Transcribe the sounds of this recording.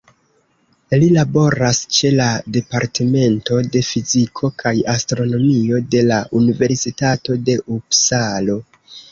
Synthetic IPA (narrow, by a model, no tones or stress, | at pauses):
lilabo̞ɾast͡ʃe̞lade̞paɾteme̞nto̞de̞fizikʰo̞kʰajastɾo̞no̞mio̞de̞laʔunive̞ɾsitato̞de̞ʔupsalo̞